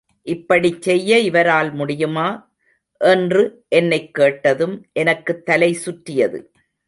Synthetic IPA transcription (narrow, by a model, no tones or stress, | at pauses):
ʔɪpːɐɽit͡ʃːɛjːɐɪʋɐɾaːlmʊɽɪjɯmaː | ʔɛndrɯʔɛnːɐɪkːeːʈːɐðɯmʔɛnɐkːɯt̪ːɐlɐɪsʊʈɾɪjɐðɯ̰